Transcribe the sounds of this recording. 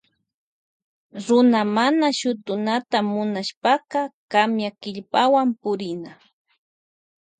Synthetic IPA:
ɾʊnamanaʃʊt̪ʊnat̪amʊnaʃpaqɑkamjakɪʎpawampʊɾɪna

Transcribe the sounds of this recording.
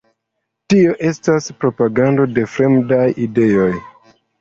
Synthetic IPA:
tio̞ʔe̞staspɾo̞paɡando̞de̞fɾe̞mdajʔide̞o̞j

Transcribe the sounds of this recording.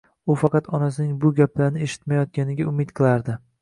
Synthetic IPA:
ʊfɑqɑt̪ɒnas̬ɪnɪŋbʊɡʲaplaɾnɪeʃɪ̥t̪majɒt̪̚kʲanɪɡʲaʊmɪt̪qʰɨlˠaɾd̪ɪ

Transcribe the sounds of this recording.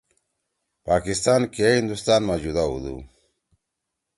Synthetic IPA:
paːkist̪aːnkeind̪ust̪aːnmad͡ʑud̪aṵd̪ṵ

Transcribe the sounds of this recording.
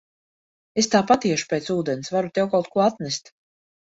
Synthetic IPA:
est̪aːpat̪iɛʃu̥peːt̪suːd̪ɛnsvaɾut̪ʲɛwkawˠt̪̚kuɔat̪nɛst̪

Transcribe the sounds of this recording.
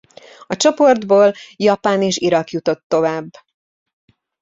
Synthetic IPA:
ɒt͡ʃo̞po̞rd̪boːljɒpaːneːʃiɾɒkjut̪o̞t̪ːo̞vaːbː

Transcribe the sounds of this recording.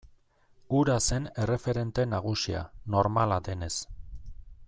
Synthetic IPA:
uɾase̞ne̞re̞fe̞ɾe̞nt̪e̞naɣ̞usia̰no̞ɾmalad̪e̞ne̞s

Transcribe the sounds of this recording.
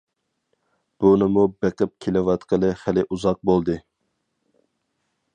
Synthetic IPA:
b̥unɪmubeqəp̚kʲʰelɪwɑt̪qəlˠɨχælɪʔuzɑq̚bolˠd̪ɨ

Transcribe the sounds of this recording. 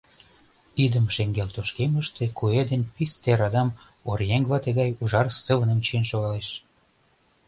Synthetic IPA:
t̪id̪əmʃeŋɡelt̪oʃkeməʃt̪ekued̪enpist̪eɾɑd̪ɑm | orjeŋɡβɑt̪eɣɑjuʒɑrsəβənəmt͡ɕienʃoɣɑleʃ

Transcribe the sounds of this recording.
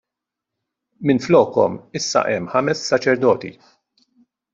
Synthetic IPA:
mɪnflɔːkɔ̰mɪsːɐ̰ʔɛmːħɐmɛsːɐt͡ʃɛɾd̪ɔːt̪ḭ

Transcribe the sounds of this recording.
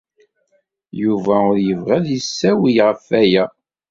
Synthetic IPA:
juvæʊɾjəvʁæðjəsːæwijʁəfæjæ

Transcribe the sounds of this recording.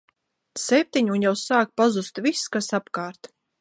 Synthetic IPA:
sep̚t̪ʲiɲunjɛwsaːk̚pazust̪viskasapkaːɾt̪

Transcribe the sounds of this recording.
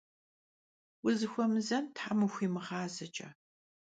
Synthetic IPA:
wʊzɨxʷɔmɨzɐntħamɨxʷiːmɨʁɑːzɐt͡ʃʼɐ̰

